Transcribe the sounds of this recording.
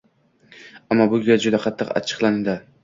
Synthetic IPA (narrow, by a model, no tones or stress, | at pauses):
amːɒbʊɡʲad͡ʒʊd̪aqʰɑt̪ʰːɨqa̰t͡ʃʰɨ̥qlˠand̪ɪ